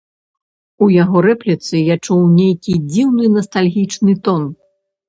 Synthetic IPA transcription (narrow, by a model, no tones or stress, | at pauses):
ujaɣɔɾɛplʲit̪sɨjat͡ʂuwnʲejkʲid͡zʲiwnɨnɐst̪alʲɣʲit͡ʂnɨt̪ɔn